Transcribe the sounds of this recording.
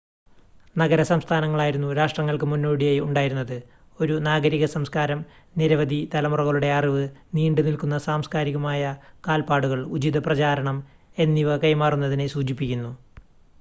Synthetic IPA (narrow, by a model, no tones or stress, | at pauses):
nɐɡɐɾɐsɐmst̪ʰaːnɐŋːɐɭaːjiɾunːuɾaːʂʈrɐŋːɐɭkɨmunːo̞ːɽijaːjuɳɖaːjiɾunːɐðɨ | o̞ɾunaːɡɐɾiɣɐsɐmskaːɾɐm | niɾɐʋɐd̪ʱit̪ɐlɐmurɐɣɐɭuɽe̞ɐriʋɨniːɳɖɨnilkunːɐsaːmskaːɾiɣɐmaːjɐkaːlpaːɽuɣɐɭud͡ʑid̪ɐprɐt͡ɕaːɾɐɳɐm | e̞nːiʋɐkɐjmaːrunːɐðine̞suːd͡ʑipːikʲːunːu